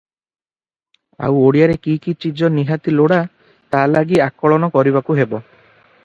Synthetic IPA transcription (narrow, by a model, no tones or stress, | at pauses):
a̰woɽijaɾekikit͡ʃid͡ʒɔniɦat̪iloɽa | t̪alaɡiakɔɭɔnɔkɔɾiβakuɦebɔ